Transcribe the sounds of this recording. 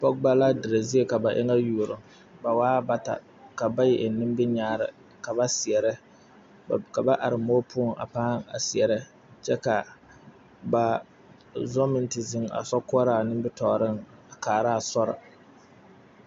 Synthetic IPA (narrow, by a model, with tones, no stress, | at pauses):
pɔ˦k̚ba˦la˦dɪ˨ɾa˨zi˦e˦ka˨ba˨ʔɪ̰˦ŋa˦juː˨ɾʊ˨ŋ | ba˨waː˦ba˦ta̰˨ | ka˨ba˦jɛ˨ʔɪ˨nɪ˦m˦bɪ˦ɲaː˦˨ɾɪ̰˨ | ka˨ba˦sɪ˨ɛ˨ɾɪ˦˨ | ka˨ba˦ʔa˨ɾɨ˨moː˦pʰu˦˨ŋʔa̰˨paː˦ŋa̰˨sɪ˨ɛ˨ɾɪ˦ | t͡ʃɛ˦ka˨ | ba˨ | zɔ˦mɪ˦ntɪ˨zɪ˦ŋa̰˨sɔ˦kʊ˦a˦ɾa˨nɪ˦mbɪ˦tɔ˨ɾɪ˦ŋa˨kaː˨ɾa˦a˦˨sɔ˦ɾɪ̰˨